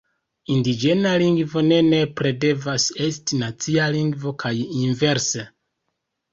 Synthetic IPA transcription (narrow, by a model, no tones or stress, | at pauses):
indid͡ʒe̞naliŋɡvo̞ne̞ne̞pɾe̞de̞vase̞stinat͡sialiŋɡvo̞kʰajinve̞ɾse